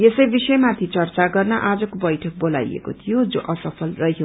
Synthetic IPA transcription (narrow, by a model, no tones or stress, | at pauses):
jesʌjbisʌjmat̪ʰit͡sʌrt͡saɡʌrnʌʔad͡zʌkobʌjʈʰʌk̚bola̰jḛkot̪ʰijod͡zoʔʌsʌpʰʌlrʌɦio